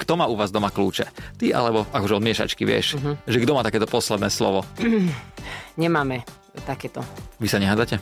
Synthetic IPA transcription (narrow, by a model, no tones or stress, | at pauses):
kt̪ɔmaːuʋaːzd̪ɔmakluːt͡ʃɛt̪iʔa̰lɛbɔakɔʒɛɔlmɪɛʃa̰t͡ʃkiʋɪɛ̰ʃʒɛɡd̪ɔmaːt̪akɛːt̪ɔpɔslɛd̪nɛːslɔ̰ʋɔ | ɲɛmaːmɛ | t̪akɛːt̪ɔʋisaɲɛɦaːd͡zacɛ